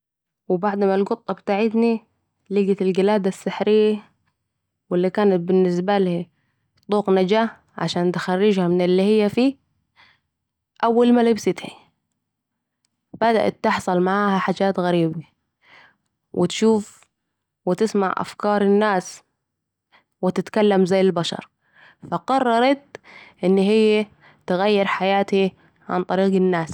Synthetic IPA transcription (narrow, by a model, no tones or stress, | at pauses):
wɪbaʕd̪malɡʊt̪ˤːɑbɪt̪aːʕɪt̪ni | liɡat̪ɪlɡɪlaːd̪asːaħɾɪjːa | wɪlːikaːnat̪̚bɪnːɪs̬balhi | t̪ˤːuːqnad͡ʒaːh | ʕa̰ʃaːnt̪ɪ̥xarːɪd͡ʒhamɪnɪlːiːhɪjːafiː | ʔawːalmalɪbsɪt̪ha | b̥ad̪a̰ʔa̰t̪ːɪħsˤɑlmaʕaːhaħaːd͡ʒaːt̪ɣaɾiːba | wʔɪt̪ʃuːf | wɪt̪ɪsmaʕʔa̰fkɑːɾˤɪnːaːs | wɪt̪ɪt̪kalːamzajːɪlbaʃɑ̰ɾˤ | faqɑrˤːɑɾˤɑt̪̚ʔɪnːhɪjːe | t̪ɪɣajːɪɾħajaːt̪i | ʕa̰nt̪ˤɑɾiːqɪnːaːs